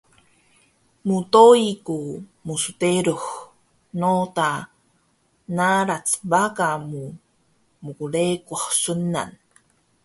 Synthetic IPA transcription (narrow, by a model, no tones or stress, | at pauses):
mut̪oikumusut̪eɾux | not̪a | naɾat͡sbakamu | mukulekoχsunːa̰n